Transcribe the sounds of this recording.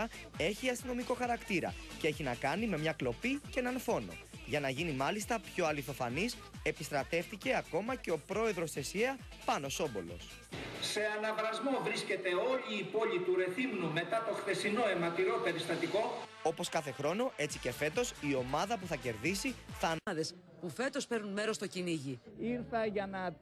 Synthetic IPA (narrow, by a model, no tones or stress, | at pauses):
ɐ | e̞çiɐst̪ino̞miko̞xɐɾɐkt̪iɾɐ̰cee̞çinɐkɐnime̞mɲɐklo̞picee̞nɐnfo̞no̞̰ʝɐnɐʝinimɐlist̪ɐpço̞ɐliθo̞fɐnis | e̞pist̪ɾɐt̪e̞fθice̞ɐko̞mɐce̞o̞pɾo̞e̞ðɾo̞sθe̞sieɐ | pɐno̞so̞bo̞̰lo̞̰s | se̞ɐnɐvɾɐzmo̞vɾisce̞t̪e̞o̞ʎiːpo̞ʎit̪uɾe̞θimnume̞t̪ɐt̪o̞xθe̞sino̞e̞mɐt̪iɾo̞pe̞ɾist̪ɐt̪iko̞ | o̞po̞skɐθe̞xɾo̞no̞ʔe̞t͡sice̞fe̞t̪o̞sio̞mɐðɐpuθɐce̞ɾðisiθɐːðe̞s | pufe̞t̪o̞spe̞ɾnunme̞ɾo̞st̪o̞ciniʝiiɾθɐʝɐnɐ